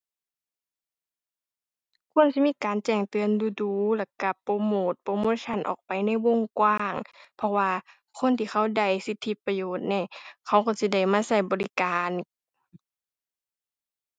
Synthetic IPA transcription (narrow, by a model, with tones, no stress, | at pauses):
kʰu˧˥ə˨nsi˧˥miː˧˥˨kaː˨nt͡ɕɛː˧˩ŋt̪ɯ˨˧˨ənduː˧˦duː˨˧˦lɛ˧˩ka˧˩poː˧˥moː˧˩t̪̚poː˧˦moː˧˥˨sʰa˧˨nʔɔ̰ː˨˩k̚pa˨jna˧˥˩jwo˧˥˨ŋkwaː˧˥˨ŋpʰɔ˧waː˧ | kʰo˧˥˨nt̪ʰiː˧˩xʰa˧˩˨wda˧˩jsi˧˦t̪ʰːi˧˦pa˧joː˨˩t̪̚nɛ˧˩kʰa˧˩wkɔ˧˩si˧˦da˧˩jmaː˧˥˨sa˧˩jbɔː˨li˧kaː˨n